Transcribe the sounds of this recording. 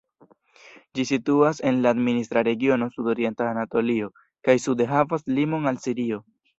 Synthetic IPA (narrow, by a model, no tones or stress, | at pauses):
d͡ʒisituase̞nlaːdminist̪ɾaɾe̞ɡio̞no̞sudo̞ɾie̞ntaːnato̞lio̞ | kajsudeɦavaslimo̞nalsiɾio̞